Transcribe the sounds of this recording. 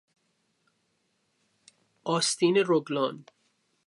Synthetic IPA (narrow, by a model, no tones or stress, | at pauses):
ɒːst̪iːneɾoɡlɒːn